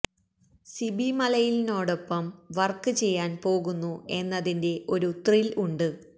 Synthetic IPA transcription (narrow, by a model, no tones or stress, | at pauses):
sibimɐlɐjilino̞ːɽo̞pːɐmʋɐrkːɨt͡ɕe̞jːaːnpo̞ːɣunːue̞nːɐðinde̞ʔo̞ɾut̪riluɳɖɨ